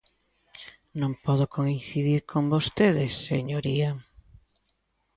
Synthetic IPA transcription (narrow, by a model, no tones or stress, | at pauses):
nõmpɔðokoinθiðiɾkʰombost̪eðɪsːeɲoɾia